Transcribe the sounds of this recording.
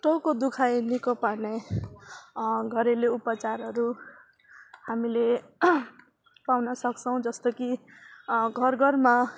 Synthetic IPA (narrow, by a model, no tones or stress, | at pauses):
ʈokod̪ukʰajnikopane | ɡʱʌɾeleupʌt͡saɾɦʌɾu | hamile | pawnʌsʌk̚t͡sʰʌw̃d͡zʌst̪ʌki | ɡʱʌrɡʱʌrma